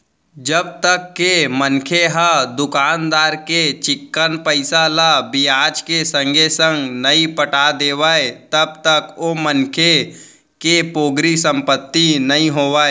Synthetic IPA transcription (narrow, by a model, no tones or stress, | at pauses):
d͡ʒəb̚t̪əkːemənkʰeɦad̪ʊkaːnd̪aːɾket͡ʃɪkːənpəɪsalabijaːd͡ʒkesə̃ŋɡesə̃ŋɡnəĩpəʈad̪eːʋaːet̪əb̚t̪əkomənkʰe | kepoːɡɾisə̃mpət̪ːinɐĩɦoːʋaːeː